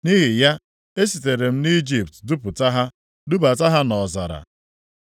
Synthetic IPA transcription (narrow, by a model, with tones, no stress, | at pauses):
ni˦ɦi˨ja˦ | e˦si˨te˨ɾe˨m̩˦ni˦d͡ʒi˨p̚tdu˦pʊ˨ta˦ɦa˦ | du˦ba˨ta˦ɦa˦nɔ˨za̰˨ɾa̰˨